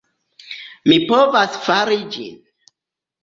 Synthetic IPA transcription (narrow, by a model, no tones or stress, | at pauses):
mipovasfaɾid͡ʒḭn